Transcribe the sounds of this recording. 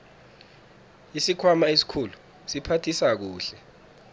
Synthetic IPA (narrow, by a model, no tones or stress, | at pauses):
isikʰwamaesi̥kʰulu | sipʰatʰisak̬uːɬɛ